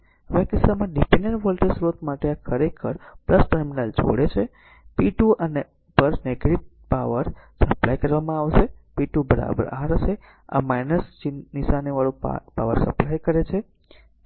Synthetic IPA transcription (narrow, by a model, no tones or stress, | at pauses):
ʋjakisamãɖipẽɳɖəɳʈʋəlʈəsɾot̪maʈeakʰəɾekʰəɾpləsʈəɾminəld͡ʒo̰ɽet͡ʃʰe | piʈuəne | pəɾneɡɾiʈ̚ | paʋəɾsəplajkəɾʋamãaʋʃepiʈubəɾa̰bə̰ɾa̰ɦɾəʃe | a̰majnəst͡ʃinːiʃaniʋaɭopaʋəɾsəplajkəɾet͡ʃʰe